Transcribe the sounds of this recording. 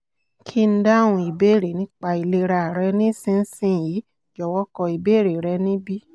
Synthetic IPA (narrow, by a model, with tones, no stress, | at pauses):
kʰi˦n̩˦da˦˨w̃ũ˧i˨be˦˨ɾe˨nĩ˦k͡pa˧i˨le˧ɾa˨ɾɛ˧˦nĩ˦sĩ˦n̩˦sĩ˦ji˨˦ | d͡ʒɔ˨wɔ˦kɔ˧i˨be˦˨ɾe˨ɾɛ˧nĩ˦bi˦